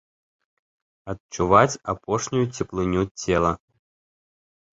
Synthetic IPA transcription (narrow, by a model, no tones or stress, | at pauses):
ɐtt͡ʂuvat͡sʲapɔʂnʲujut͡sʲɛplˠɨnʲut͡sʲɛlˠɐ